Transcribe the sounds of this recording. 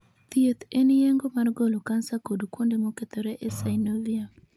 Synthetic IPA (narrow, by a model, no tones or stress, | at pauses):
t̪iet̪enijeŋɡomarɡolokansakodukwondemoket̪ɔɾɛʔɛsainovia